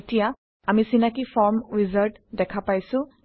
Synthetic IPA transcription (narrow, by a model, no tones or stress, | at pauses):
tija | amisinakifʰɔɹmɹizaɹʈ | dɛkʰapajsʊ̃